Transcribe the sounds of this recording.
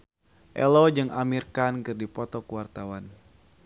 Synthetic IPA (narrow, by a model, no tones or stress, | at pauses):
ʔɛ̰lɔd͡ʒɨŋamirkankɨrdipɔt̪ɔkuwart̪awan